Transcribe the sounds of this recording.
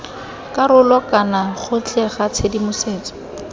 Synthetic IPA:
kaɾʊlɔkanaχʊt͡ɬʼɛχat͡sʰedimʊseːt͡sɔ̥

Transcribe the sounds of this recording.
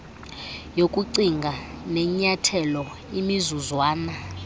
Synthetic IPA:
jokʼuǀiŋɡʱaneɲatʰɛlɔ | imizuzwaːna

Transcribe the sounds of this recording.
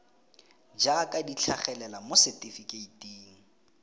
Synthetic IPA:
d͡ʒakʼadit͡ɬʰaχɛlɛlamʊsɛtifikeitʼiːŋ̩

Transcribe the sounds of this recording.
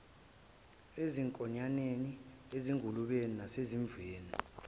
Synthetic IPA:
eziŋkʼɔɲaneni | eziŋɡʱuluɓeninaseziɱb̪veːni

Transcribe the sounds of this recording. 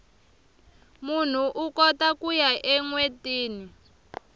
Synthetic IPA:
mun̤uʔukɔtakujaʔɛŋwetiːni

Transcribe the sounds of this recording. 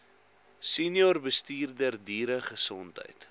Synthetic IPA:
sinjɔrbəstiːrdərdiːɾəχəsɔntɦə̰jt

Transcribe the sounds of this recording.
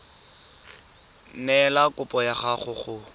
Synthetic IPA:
nɛlakʼʊpʼɔjaχaχʊχʊ

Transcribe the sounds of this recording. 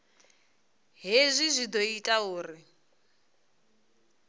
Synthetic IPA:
ɦezʷizʷid̪ɔitʼauːri

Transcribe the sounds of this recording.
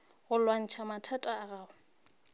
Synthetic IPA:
ɣʊlwan̩t͡ʃʰamatʰatʼaːɣaːʊ

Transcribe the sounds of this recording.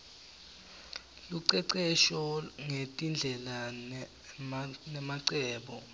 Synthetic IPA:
luǀɛǀɛʃɔŋetʼind͡ɮʱɛla | nɛmaǀɛːɓɔ

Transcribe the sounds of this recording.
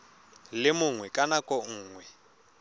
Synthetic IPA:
lɪmʊŋwɛkʼanakʼɔŋ̩ːŋwɛ

